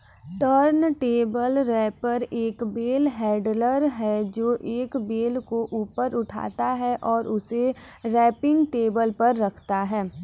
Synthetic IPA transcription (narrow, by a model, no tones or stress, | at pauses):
təɾnʈeːbəlɾɛːpɐɾeːkbeːlɦɛːɖləɾɦɛd͡ʒoːʔeːkbeːlkoʔuːpəɾʊʈʰa̰ːt̪aɦɛʔɔːɾʔʊse | ɾɛːpɪ̃ŋɡʈeːbəlpɐɾːɐkʰt̪aɦɛː